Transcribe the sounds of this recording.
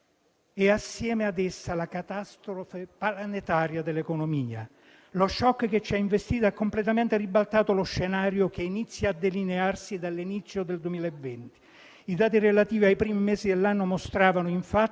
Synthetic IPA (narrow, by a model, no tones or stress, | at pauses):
ɛasːjɛːmead̪ɛsːalakat̪ast̪ɾofepalanet̪aːɾjad̪elːekonomiːa̰ | loʃːɔkːket͡ʃːiaiɱvest̪iːt̪oɛkːomplet̪ament̪eribalt̪aːt̪oloʃːenaːɾjok̟einit̪sːjaːd̪ːelinearsid̪alːinit̪sːjod̪eld̪wemiːlaevːɛnt̪i̥ | id̪aːt̪̬irelat̪iːviajpɾiːmimɛːzid̪elːanːomost̪ɾaːvanoiɱfa